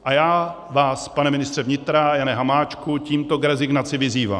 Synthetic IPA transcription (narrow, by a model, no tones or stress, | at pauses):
ʔajaː | vaːspanɛmɪnɪst̪r̥ɛvɲɪt̪ɾajanɛɦamaːt͡ʃkuciːmt̪o̞kɾɛzɪɡnat͡sɪvɪziːva̰ːm